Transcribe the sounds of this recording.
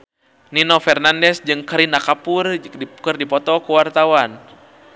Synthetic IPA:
ninɔfɛrnandɛsd͡ʒɨŋkəɾinakapurikɨrdipɔt̪ɔkuwart̪awan

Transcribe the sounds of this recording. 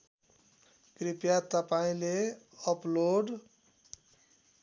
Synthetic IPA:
kripjat̪ʌpaĩle | ʌploɖ

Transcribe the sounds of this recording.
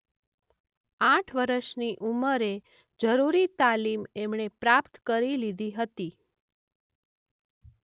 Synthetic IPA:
aʈʰʋəɾəʃniʔuməɾe | d͡ʒəɾuɾit̪alimemɳepɾapt̪kəɾilid̪ʱiɦət̪i

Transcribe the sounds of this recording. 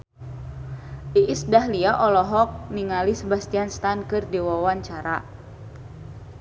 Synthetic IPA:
diʔisdaɦliaʔɔlɔɦɔk̚niŋalisəbast̪ianst̪ankɨrdiwawaɲt͡ʃaɾa̰

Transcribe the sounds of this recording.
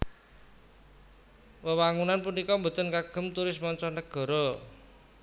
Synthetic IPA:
wəwaŋunanpunikɔmbṳt̪ənkaɡ̥ə̤mt̪uɾɪsmɔnt͡ʃɔnəɡ̥ɔ̤ɾɔ

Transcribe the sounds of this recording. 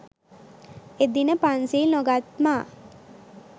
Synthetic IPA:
ed̪inəpansiːlnoɡat̪maː

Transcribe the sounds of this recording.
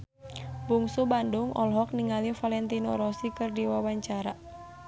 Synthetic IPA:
buŋsubandʊŋʔɔ̰lɦɔk̚niŋalifalɛnt̪inɔɾɔsikɨrdiwawaɲt͡ʃaɾa

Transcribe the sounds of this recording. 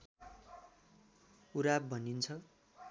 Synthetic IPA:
uɾab̚bʱʌnint͡sʰʌ

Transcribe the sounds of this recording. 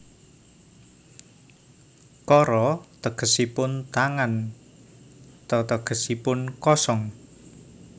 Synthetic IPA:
kɔɾɔt̪əɡ̥ə̤sipʊnt̪aŋan | t̪ɔt̪əɡ̥ə̤sipʊnkɔsɔŋ

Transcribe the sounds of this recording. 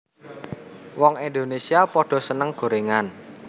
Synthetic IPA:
wɔŋend̪onesiapɔɖ̥ɔ̤sənəŋɡ̥o̤ɾeŋan

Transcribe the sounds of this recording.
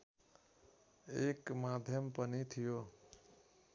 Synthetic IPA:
ekmad̪ʱjəmpənit̪ʰijo

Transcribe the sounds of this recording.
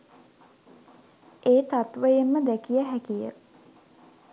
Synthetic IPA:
eːt̪at̪ʋəjemːəd̪ækijəɦækijə̰

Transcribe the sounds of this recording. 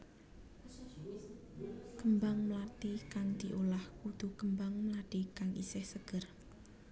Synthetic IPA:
kəmbaŋmlat̪ikaŋd̪̥iʔolahkud̪̥ukəmbaŋməlad̪̥ikaŋʔḭsɛhsəɡ̥ər

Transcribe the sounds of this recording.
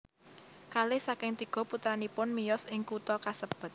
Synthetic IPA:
kalesakɪŋt̪iɡ̥ɔ̤put̪ɾanipʊnmijɔsɪŋkut̪ɔkasəb̥ʊ̤t̪̚

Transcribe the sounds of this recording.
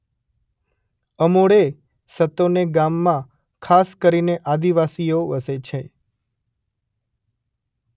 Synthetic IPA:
əmoɽe | sət̪oneɡamːã | kʰaskəɾineʔad̪iʋasijoʋəset͡ʃʰe

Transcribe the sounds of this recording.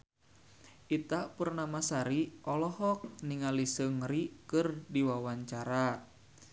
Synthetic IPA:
ʔit̪aʔpurnamasaɾiʔɔlɔhɔk̚niŋalisəŋɾikɨrdiwawaɲt͡ʃaɾa

